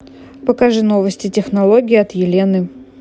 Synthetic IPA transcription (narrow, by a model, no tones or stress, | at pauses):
pəkɐʐɨno̞vəsʲtʲɪtʲɪxnɐlˠoɡʲɪːɐt̪jɪlʲenɨ